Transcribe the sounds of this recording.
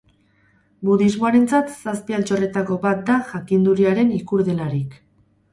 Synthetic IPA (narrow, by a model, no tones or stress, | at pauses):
buðizmo̞aɾe̞nt͡sat̪saspialt͡ʃo̞re̞t̪ako̞βat̪̚d̪aʝakind̪uɾiaɾe̞nikuɾðe̞laɾik